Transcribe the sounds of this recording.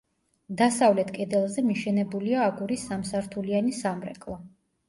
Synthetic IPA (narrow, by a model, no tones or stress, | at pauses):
d̪asavlɛt̪ʰkʼɛd̪ɛlˠzɛmiʃɛnɛbuliaːɡuɾisːamsaɾt̪ʰulianisamɾɛ̰kʼlˠɔ